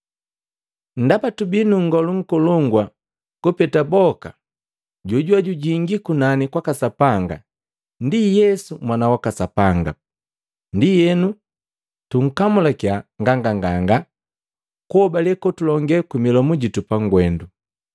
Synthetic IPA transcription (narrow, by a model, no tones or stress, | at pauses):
n̩dapatubinuŋ̩ɡɔluŋ̩kɔlɔŋɡwa | kupɛtabɔka | ɟuɟwaɟuɟiŋɡikunanikwakasapaŋɡa̰ | ndijɛsumwanawakasapaŋɡa | ndijɛnu | tuŋ̩kamulakjaŋɡaŋɡaŋɡaŋɡa | kuɔbalɛkɔtulɔŋɡɛkimilɔmuɟitupaŋɡwɛndu